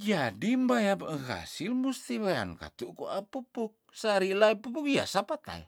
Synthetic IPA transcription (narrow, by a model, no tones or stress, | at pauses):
d͡ʒadimbajabəɣa̰silmust̪iwea̰nka̰t̪uʔkuʔapupuk̚saɾilaipupukja̰sapat̪a̰j̰